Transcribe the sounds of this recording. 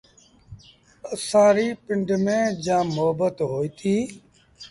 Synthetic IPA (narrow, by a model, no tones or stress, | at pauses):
əsãːɾiːpɪ̃ɳɖmẽːd͡ʒãːmoɦbət̪ɦoːiːt̪ʰiː